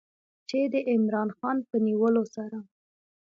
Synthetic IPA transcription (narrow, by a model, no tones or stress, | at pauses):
t͡ʃed̪əʔɪmɾɑnxɑnpəniwəlosaɾa